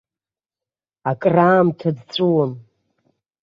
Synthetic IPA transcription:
akʼraːmtʰadt͡sʷʼuwam

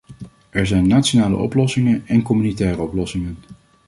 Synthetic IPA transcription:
ʔɛɹzɛjnːaːtsonaːlə̰ʔɔ̰plɔsɪŋənɛnkɔmynitɛːrəɔplɔsɪŋən

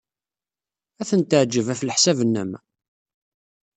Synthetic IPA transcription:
æθənt̪əʕd͡ʒːəvæflħsævənːæmæ̰

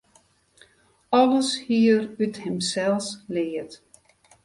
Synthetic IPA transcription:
ɔləshiərythɛmsɛlˠslɪət

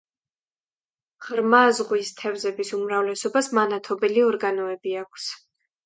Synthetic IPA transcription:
ʁɾmazʁwist̪ʰɛvzɛbisumɾavlɛsɔbasmanat̪ʰɔbɛliɔɾɡanɔɛbiakʷʰs

